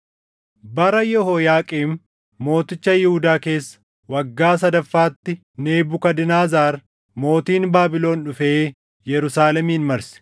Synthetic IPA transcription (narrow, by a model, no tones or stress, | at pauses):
bɐɾɐjɔɦoːjaːkʼiːm | mo̞ːt̪ɪt͡ʃːɐjɪhʊd̪aːke̞ːsːɐ̥ | wɐɡːaːs̬ɐd̪ɐfːaːt̪ːɪ | neːbʊkɐd̪ɪnaːzaːɾ | mo̞ːt̪iːnbaːbɪlo̞ːnᶑʊfeː | jɛɾʊsaːlɛmiːnmɐɾsɛ̥